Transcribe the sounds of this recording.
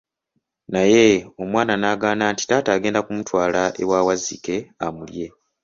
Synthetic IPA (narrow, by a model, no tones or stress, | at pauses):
naje̞o̞mwaːnanaːɡaːnaːnti̥taːtaːɡe̞ːndakumutwaːlaʔe̞̰waːwazike̞amulje̞